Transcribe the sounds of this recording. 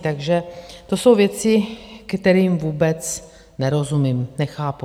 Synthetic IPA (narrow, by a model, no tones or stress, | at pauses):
t̪aɡʒɛt̪o̞so̞wvjɛt͡sɪkt̪ɛɾiːmvuːbɛt͡s | nɛɾo̞zumiːmnɛxaːpu